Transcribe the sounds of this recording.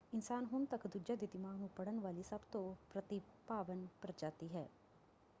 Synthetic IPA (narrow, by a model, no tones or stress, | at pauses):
ɪnsaːnɦʊnt̪əkd̪ʊd͡ʒad̪id̪ɪmaːɡnũːpɐɽənʋaːlisɐbt̪õpɾət̪ipaːʋənpəɾd͡ʒaːt̪iɦɛ̰ː